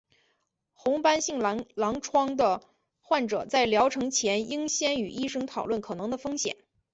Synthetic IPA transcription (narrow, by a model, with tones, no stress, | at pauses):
xʊ˧˥ŋpa˥nɕi˥˩ŋ˧˥lɑ˧˥ŋʈ͡ʂʰwɑ˥ŋd̪ə˨ | xwa˥˩nʈ͡ʂɤ̰˨˩t͡sa˥˩ɪljɑ˧˥ʊʈ͡ʂʰɤ˧˥ŋt͡ɕʰjɛ˧˥ni˥ŋɕjɛ˥ny˨˩ʔi˥ʂɤ˥ŋt̪ʰɑ˨˩ʊlwə˥˩nkʰɤ˨˩nɤ˧˥ŋd̪ə˧fɤ˥ŋɕjɛ̰˨˩˦n